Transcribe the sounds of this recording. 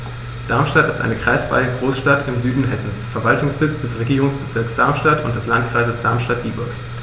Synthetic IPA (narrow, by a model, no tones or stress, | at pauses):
d̥aɐmʃtatɪstʔa̰ɪnəkʁ̥aɪsv̥a̰ɪəɡʁoːsʃtatɪmzyːdn̩ɦɛsn̩sfɛɐvaltʊŋsz̥ɪt͡sd̥ɛsʁeɡiːʁʊŋsb̥ət͡sɪɐksd̥aɐmʃtatʊnt̚d̥ɛslant̚kʁ̥aɪzəsd̥aɐmʃtat̚d̥iːbʊɐk